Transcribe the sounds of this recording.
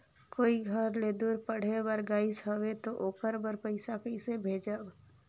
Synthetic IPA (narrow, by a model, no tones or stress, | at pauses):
koːiɡʱəɾled̪uɾpəɽ̤ebəɾɡaːɪsɦəwet̪oʔoːkəɾbəɾpəɪsakəɪsebʱeːd͡ʒəb